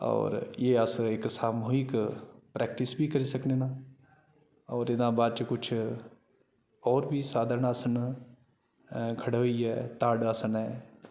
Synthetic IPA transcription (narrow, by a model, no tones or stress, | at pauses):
ɔ̰ːɾjeːəsɪksaːmoːikpɾɛːk̚ʈɪsbiːkəɾiːsəkneːnãː | ɔːɾɪd̪ãːbaːd̪̚t͡ʃəkʊt͡ʃʰ | ɔːɾbʱiːsaːd̪ʱəɾəɳəsən | kʰəɽoiːɛːt̪aːɖəsənɛː